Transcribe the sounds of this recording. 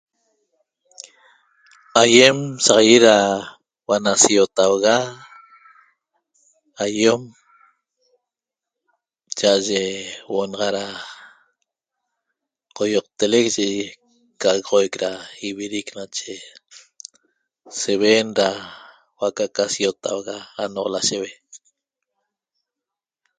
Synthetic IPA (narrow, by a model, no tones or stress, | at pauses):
ajemsaʁɑjeɾa | wanasiot̪awɣa | ajom | t͡ʃaʔaʒewoʔnɑʁɑɾa | qojoq̚t̪elekʒe | kaɣʁojkɾaiβiɾiknat͡ʃe | seβeːnɾa | wakakasiot̪a̰wɣaːnoʔlaʃeβe